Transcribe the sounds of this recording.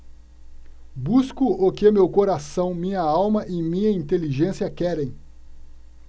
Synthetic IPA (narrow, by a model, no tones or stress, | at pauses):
buskʊʔokɪmewkoɾasɐ̃w̃mĩɲɐawmɐʔɪmĩɲɐĩnt̪eliʒẽsiɐkɛɾẽj̃